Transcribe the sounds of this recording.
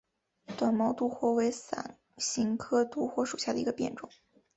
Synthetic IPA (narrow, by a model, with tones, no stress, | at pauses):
t̪wa˨˩nmɑ˧˥ʊt̪u˥xwɔ˥we˧˥ɪsa̰˨˩n | ɕi˧˥ŋkʰɤ˥t̪u˥xwɔ˥ʂu˨˩ɕja˥˩d̪ə˩i˧˥ɡə˧pjɛ̰˥˩nʈ͡ʂʊ̰˨˩˦ŋ